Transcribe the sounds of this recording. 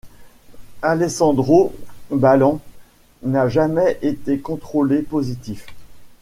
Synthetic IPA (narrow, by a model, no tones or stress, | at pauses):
alesɑ̃d̪ʁobalɑ̃ | naʒamɛʔet̪ekɔ̃t̪χolepozit̪if